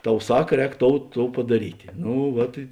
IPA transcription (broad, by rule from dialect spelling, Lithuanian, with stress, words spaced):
ˈtɐʊ ˈsɐk ˈrʲɛːk ˈtoːʊ ˈtoːʊ pɐdɐˈrʲiːtʲeː ˈnʊ ˈʋɐt ɪ